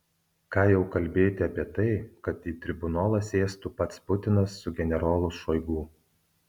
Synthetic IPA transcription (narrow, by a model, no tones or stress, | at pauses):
kɑːjɛʊkɐlʲbʲeːjt̪ʲɪɐpʲiɛt̪ɐɪkɐt̪iːt̪ʲɾʲɪbʊnoːlˠɐsʲeːst̪upɐt̪spʊt̪ʲɪnɐsːʊɡʲɛnʲɛɾoːlˠʊsʃɔɪɡuː